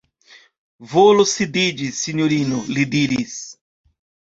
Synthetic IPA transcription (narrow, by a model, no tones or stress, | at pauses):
volosid̪id͡ʒisiɲoɾinʊlid̪iɾis